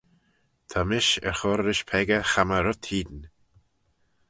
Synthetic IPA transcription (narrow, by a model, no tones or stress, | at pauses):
t̪ʰamɪʃɛ̰ɹxɔɾːɪʃpʰɛɡəxaməɾʊt̪hiːd̪n